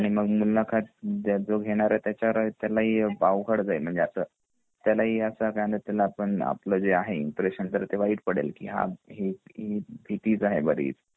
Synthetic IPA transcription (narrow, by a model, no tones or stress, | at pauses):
aɽ̃iməɡmulːakʰat̪ad͡zoɡʱeɽ̃aɾət̪jat͡ɕjaɾət̪jalaɦiːbaʋkəɽd͡zaim̤əɳd͡zeasəː | t̪jalaɦiːəsakaənd̪ət̪jalaːpəɳa̰pləd͡zeaɦeimpɾeɕənt̪əɾt̪eʋaiːʈ̚pəɽḛlkḭɦa̰ɦiɦibʱiʈ̪iːd͡zaɦebəɾḭːt͡s